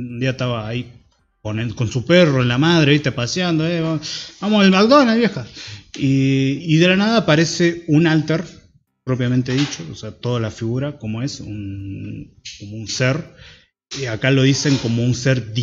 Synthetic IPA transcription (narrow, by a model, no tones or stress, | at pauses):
und̪iaest̪aβaːi | koneko̞nsuperoenlamað̞ɾeβist̪epasjand̪oeβabamoselmaɡd̪onaelβjexaiiðe̞lanaðaːpaɾe̞se̞unalt̪eɾ | pɾop̬jament̪e̞ðit͡ʃo̞oseat̪o̞ðalafiɣuɾako̞mo̞e̞sṵn | komo̞unseɾ | akalo̞ðise̞ŋko̞mo̞unseɾd̪i